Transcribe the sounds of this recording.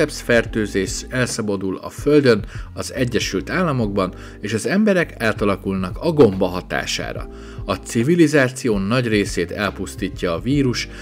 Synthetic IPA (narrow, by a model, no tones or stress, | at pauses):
ɛpsfɛrt̪øːzeːʃɛlsɒbɒd̪ulɒ̰fø̞ld̪ø̞nɒzɛɟːɛʃylt̪aːlːɒmo̞ɡ̚bɒn | eːʃɒzɛmbɛɾɛkaːt̪ɒlɒkulnɒkɒɡo̞mbɒɦɒt̪a̰ːʃa̰ːɾɒ̰ | ɒt̪sivilizaːt̪sijoːnɒɟreːseːt̪ɛlpust̪iːcːɒːviːɾuʃ